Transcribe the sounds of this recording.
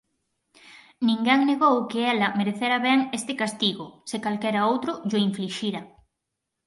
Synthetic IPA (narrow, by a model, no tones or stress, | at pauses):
nĩŋɡaŋneɣowkeɛlɐmeɾeθeɾaβɛŋest̪ɪkast̪iɣosekalkɛɾaowt̪ɾʊʎoiɱfliʃiɾɐ